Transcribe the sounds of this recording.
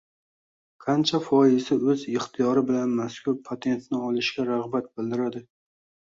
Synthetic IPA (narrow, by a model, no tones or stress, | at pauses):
qʰɑnt͡ʃʰafɒɪzɪɵzɪχt̪ʰijɒɾɪbɪlanmaskʲʰʊɾpʰat̪ʰe̞nt̪nɪɒlˠɪʃkʲaɾaʁbat̪̚bɪld̪ɪɾad̪ɪ